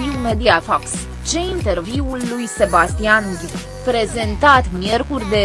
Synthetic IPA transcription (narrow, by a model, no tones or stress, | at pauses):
iwmed̪iafaks | t͡ʃe̞int̪e̞rviwulːujse̞bast̪ianɡʲi | pɾe̞ze̞nt̪at̪mje̞rkurʲd̪e̞